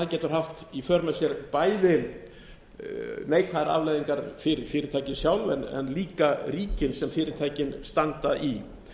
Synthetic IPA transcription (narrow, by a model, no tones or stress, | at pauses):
aðcɛːt̪ʏɾ̥ɦaft̪ifœɾnasjɛɾpaːjðɪ | neːjkʰaðɾa̰vlajðiŋkaɾfɪɾɪɾfɪːɾɪɾt̪ʰaːjcɪnsjawlvɛnɛ̰nliːkaɾiːcɪnsɛmfɪːɾɪɾ̥t̪ʰaːjcɪnst̪ant̪aʔi